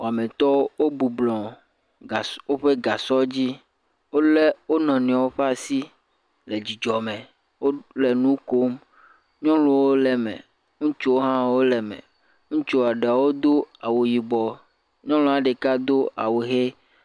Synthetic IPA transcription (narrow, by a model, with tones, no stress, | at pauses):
wo˨a˨mẽ˨t̪ɔ˦wo˦bu˨blɔ̃˨ | o˦ɸe˦ɡa˨sɔ˦d͡ʑi˦ | wo˦le˦wo˦nɔ̃˨nĩ˨a˨wo˦ɸe˦a˦˨si˦ | le˨d͡ʑi˨d͡ʒɔ˨mẽ˨ | wo˦le˨nũ˦ko˦m | ɲɔ̃˦lu˨wo˦lɛ˨mɛ̰̃˨ | ŋũ˦t͡ʃo˦wo˦ɦã˦wo˦lɛ˨mɛ̰̃˨ | ŋũ˦t͡ʃo˦˨a˨ɖe˨a˨wo˦d̪o˦a˨wo˨ji˨ɡ͡bɔ˨ | ɲɔ̃˦lɔ̃˦a˨ɖe˨ka˦d̪o˦a̰˨wu˨ɦe˦